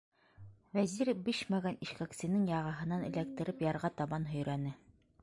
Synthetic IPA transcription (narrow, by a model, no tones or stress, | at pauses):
væziɾbiʃmæɡæniʃkæksʲɘ̆nɘŋjɑʁɑɦɤ̆nɑnɘ̆læk̚t̪ɘ̆ɾɘpjɑɾʁɑt̪ɑbɑnɦɵ̆jɾʔænɘ